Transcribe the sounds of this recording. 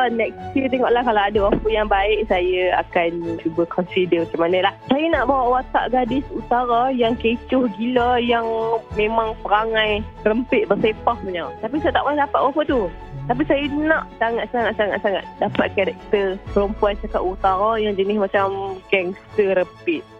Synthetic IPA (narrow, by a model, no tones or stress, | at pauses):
nɛk̚st̪ət̪ɛŋɔʔlahkalawadawafəjaŋbaɪʔsajəa̰kant͡ʃubəkʰɔnsidəmat͡ʃamanəlahsajənaʔbawaʔwat̪a̰ʔɡadɪsut̪aɾajaŋket͡ʃʊhɡilajaŋmẽmãŋpəɾaŋãj | rəmpɪʔ̪̚bərsepahpəɲawt̪ap̬isajənaʔmaahdapaʔ̪̚wafət̪u | t̪ap̬isajənaʔsaŋat̪̚saŋat̪̚saŋa̰t̪saŋa̰t̪̚dapat̪̚kaɾɛk̚t̪ərpəɾumpuant͡ʃakaʔ̪ut̪aɾajaŋd͡ʒənɪhmat͡ʃamɡɛŋsəɾəmpɪʔ̚